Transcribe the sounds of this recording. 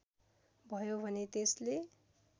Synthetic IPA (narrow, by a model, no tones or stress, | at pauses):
bʱʌjobʱʌnet̪esle